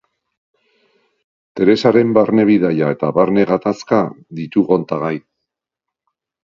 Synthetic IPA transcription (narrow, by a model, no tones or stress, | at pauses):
t̪e̞ɾe̞saɾe̞mbaɾne̞β̞iðajae̞t̪aβaɾne̞ɣat̪aska | ðit̪uɣo̞nt̪aɣaj